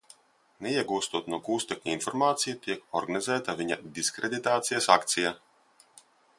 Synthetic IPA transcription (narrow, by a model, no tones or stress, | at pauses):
neiɛɡuːst̪uɔt̪nuɔɡuːst̪ʲekʲɲʲiinfɔɾmaːt̪sijut̪ʲiɛkɔɾɡanizæːt̪avʲiɲad̪iskɾed̪it̪aːt̪sijasakt̪sija